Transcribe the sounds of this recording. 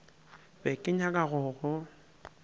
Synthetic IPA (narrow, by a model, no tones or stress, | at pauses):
bɛkʼɪɲakʼaɣʊːɣʊ